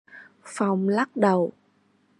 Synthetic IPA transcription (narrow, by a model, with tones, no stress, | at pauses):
fa˨˩wŋ͡mla˦˥k̚ɗə˨˩w